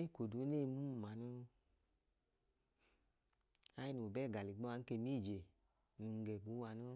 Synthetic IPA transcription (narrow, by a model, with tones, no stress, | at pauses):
e˦˨ko˨du˨˦ne˦˧mu˦m˨ma˨no˧ | a˨˦ji˦nu˨o˨bɛ˦˨ɡa˨li˨ɡ͡bɔ˦a˨˧ŋ̩˦ke˧mi˦˨d͡ʒe˨ | nu˨˧ŋ˧ɡɛ˨ɡu˨˦wa˧no˦